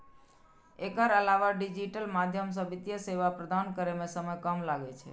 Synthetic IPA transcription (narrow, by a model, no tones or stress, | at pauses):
ekaɾəlaʋaɖid͡ʒiʈəlmad̪ʱjəms̬əbit̪jəseʋapɾəd̪ʱankəɾemesəməjkəmlaɡet͡ʃʰḛ